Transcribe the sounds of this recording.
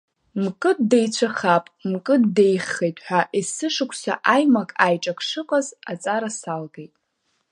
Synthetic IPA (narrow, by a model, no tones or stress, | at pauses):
mkʼɨddejt͡ɕʷʰaχapʼmkʼɨddejχejtʼħʷaʔisɨʂɨkʷʰsa̰ʔajmakʼajʈ͡ʂʼakʼʰʂɨqʼaza̰t͡sʼaɾasalɡejtʼ